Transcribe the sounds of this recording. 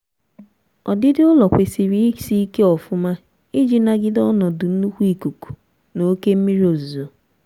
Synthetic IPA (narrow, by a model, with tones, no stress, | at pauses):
ɔ˨dɪ˦dɪ˦ʊ˦lɔ˨kʷe˨si˨ɾi˦si˦i˦ke˦ɔ˨fʊ˦ma˦ | ɪ˦d͡ʒi˨na˦ɡɪ˦dɔ˦nɔ˨dʊ˨n̩˦u˦kʷu˦i˦ku˨ku̥˨ | no˦ke˦m̩˦mi˦ɾi˦o˨zu˨o˨